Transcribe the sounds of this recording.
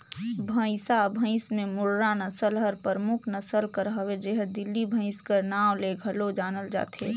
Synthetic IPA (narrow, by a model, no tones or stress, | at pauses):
bʱə̃sabʱə̃ɪ̃smẽmʊɾɾanɐsəlɦəɾpəɾmʊkʰnəsəlkəɾɦəwed͡ʒeɦəd̪ɪlːibʱə̃ɪ̃skəɾnaːwleɡʱɐlod͡ʒaːnəld͡ʒa̰ːt̪eː